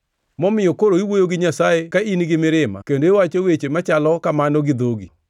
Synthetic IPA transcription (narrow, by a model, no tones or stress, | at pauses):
mɔmɪjokoɾoiwojoɡɪɲasaekainiɡɪmɪɾɪma̰kendoewat͡ʃowet͡ʃemat͡ʃalɔkamanɔɡɪd̪oɡḭ